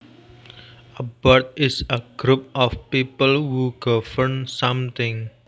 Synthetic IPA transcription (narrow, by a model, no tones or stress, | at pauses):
ʔəb̥ɔrt̪̚ɪsəɡ̥ɾup̚ʔɔfpipəlwuɡ̥ɔfərnsʌmt̪ɪ̃ŋ